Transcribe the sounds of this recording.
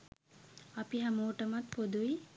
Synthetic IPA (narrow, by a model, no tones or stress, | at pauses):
apiɦamoːʈəmat̪pod̪ui